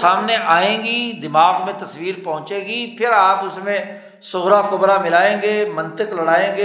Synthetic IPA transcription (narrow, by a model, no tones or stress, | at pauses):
aːmneʔaːẽːɡiːd̪ɪmaːɡmẽt̪ɐsʋiːɾpɐɦʊ̃t͡ʃẽːɡiːpʰɪɾaːpʊsmẽ | sʊɣɾakʊbɾamɪlaːẽːɡeːmɐ̃nt̪ɪklɐɽaːẽːɡeː